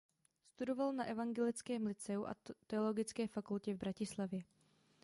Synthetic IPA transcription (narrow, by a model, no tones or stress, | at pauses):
st̪udo̞valnaʔɛvaŋɡɛlɪt͡skɛːmlɪt͡sɛuʔa̰t̪ɛolo̞ɡɪt͡skɛːfakulcɛvbɾacɪslavjɛ